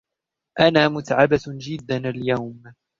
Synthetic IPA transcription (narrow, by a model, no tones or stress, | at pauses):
ʔanaːmʊt̪ʕabad͡ʒɪd̪ːanaljawm